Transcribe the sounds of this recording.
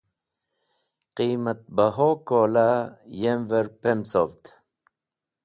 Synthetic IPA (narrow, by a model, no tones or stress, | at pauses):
qiːmat̪̚baɦokolajemveɾpemsovt̪